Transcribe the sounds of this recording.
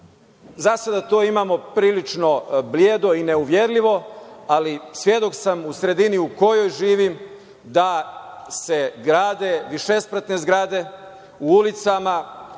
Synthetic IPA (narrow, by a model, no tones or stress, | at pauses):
zasad̪at̪oimamo̞pɾiːlit͡ʂno̞bljeːd̪o̞ine̞uʋjeɾlʲiʋo̞alisʋje̞d̪o̞ksamusɾe̞d̪iniuko̞jo̞jʒiːʋim | d̪ase̞ɡɾaːd̪e̞ʋiʃe̞spɾət̪ne̞zɡɾad̪e̞ | uulit̪sama